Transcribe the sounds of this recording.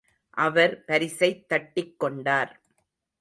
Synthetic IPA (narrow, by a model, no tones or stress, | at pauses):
ʔɐʋɐɾpɐɾɪsɐɪt̪ːɐʈːɪkːɔɳɖaːɾ